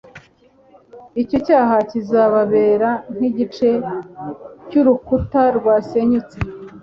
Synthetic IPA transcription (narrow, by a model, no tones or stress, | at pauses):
ico̞caːɦacizaβaβe̞ːɾan̥hiɟit͡ʃe̞ | cuɾukutaɾɡwaːseɲut͡se